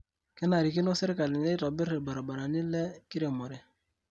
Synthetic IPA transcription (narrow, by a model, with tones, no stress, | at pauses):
kɛ˦na˨ɾi˨kɪ˦no˦sɛ˦ɾɪ˦ka˨lɪ˨nɛ˦tɔ˨bɪ˦ɾe˨ba˨ɾa˨ba˨ɾa˨nɪ˦lɛ˦kɪ˦ɾe˨mɔ˨ɾɛ˨